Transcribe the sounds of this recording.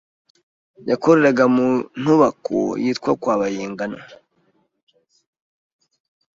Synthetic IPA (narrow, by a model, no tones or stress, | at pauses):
jakoɾeɾaɡamun̥uβakʰo̰jiːtkwa̰kwaːβajeːŋɡano